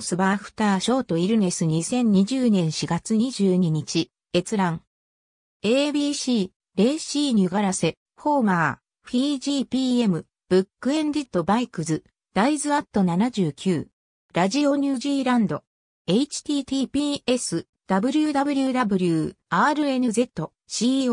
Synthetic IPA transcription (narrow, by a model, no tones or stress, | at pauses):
sɨbaːɸɯ̟̥t̪aːɕo̞ːt̪o̞iɾɯ̟ne̞sɨɲ̟isẽ̞ɲ̟ːiʑɨːnẽ̞ɰ̃ɕiɡat͡sɨɲ̟iʑɨːɲ̟iɲ̟it͡ɕi | e̞t͡sɨɾãŋ | e̞ːbʲiːɕiː | ɾe̞ːɕiːɲ̟iɡaɾase̞ | ho̞ːmaː | ɸʲiːʑiːpʲiːe̞mɯ̟ | b̥ɯ̟kːɯ̟ẽ̞nd̪ʲit̪ːo̞baikɯ̟zɨ | d̪̥aizɨat̪ːo̞nanaʑɨːkʲɨː | ɾaʑio̞ɲ̟ɯːʑiːɾãnd̪o̞ | e̞it͡ɕi̥t̪ʲiːt̪iːpʲiːe̞sɨ | d̪̥abɯ̟ɾʲɯ̟d̪abɯ̟ɾʲɯd̪abɯ̟ɾʲɯːaːɾɯ̟e̞nɯ̟ze̞t̪ːo̞ | ɕiːo